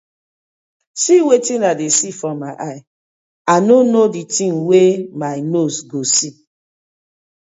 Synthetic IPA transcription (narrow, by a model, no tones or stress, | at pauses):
siwetĩnadesifɹɔ̃mːaɪʔaɪ | anonoditĩnwemaɪnosɡosi